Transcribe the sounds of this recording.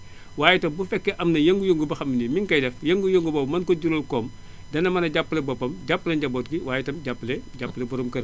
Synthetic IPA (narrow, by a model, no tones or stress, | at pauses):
waːjɛtɐmbufɛkːɛʔɐmnɐjɐŋɡujoŋɡubɐxɐmːinimiŋkɐjdɛfjɐŋɡujoŋɡubɐbmɐnkɔɟuɾolkɔːm | dɐnːɐmɐnɐɟapːəlɛbɔbːɐmɟapːlɐɲɟaboːtɡiwaːjɛtɐmɟapːleɟapːlɛbɔɾɐmkɐɾ